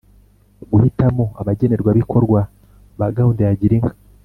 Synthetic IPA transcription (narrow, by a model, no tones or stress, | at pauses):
ɡuhitamo̞aβaɟe̞ne̞ɾɡwaβikʰo̞ɾɡwa | βaɡaundejaɟiɾiŋa